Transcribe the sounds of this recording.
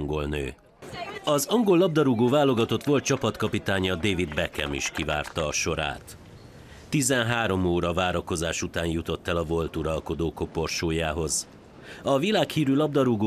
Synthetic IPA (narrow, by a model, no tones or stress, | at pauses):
ŋɡo̞lnø̰ː | ɒzɒŋɡo̞lːɒb̚d̪ɒɾuɡoːvaːlo̞ɡɒt̪o̞t̪ʋo̞lt̪̚t͡ʃɒpɒt̪kɒpit̪aːɲɒd̪eːvid̪bɛkɛ̰mḭʃkiva̰ːrt̪ɒːʃo̞ɾa̰ːt̪ː | izɛnɦaːɾo̞moːɾɒvaːɾɒko̞zaːʃut̪aːnjut̪o̞t̪ːɛlɒvo̞lt̪uɾɒlko̞d̪oːko̞po̞rʃoːjaːɦo̞z | ɒvilaːkhiːɾylɒb̚d̪ɒɾuɡoː